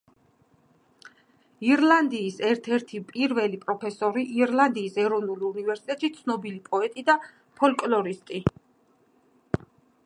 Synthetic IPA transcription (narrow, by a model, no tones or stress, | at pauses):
iɾlˠand̪iːsɛɾt̪ʰɛɾt̪ʰipʼiɾvɛlipʼɾɔpʰɛsɔɾiʔiɾlˠand̪iːsɛɾɔvnulunivɛɾsit̪ʼɛt̪ʼʃit̪sʰnɔbilipʼɔɛt̪ʼid̪a | pʰɔlkʼlɔɾist̪ʼi